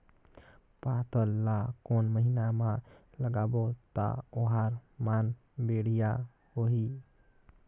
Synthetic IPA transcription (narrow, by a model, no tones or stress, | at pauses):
pat̪ʰəlːakonməɦinamã | ləɡaːbot̪a̰oɦaɾmaːn | beɽija | hoɦi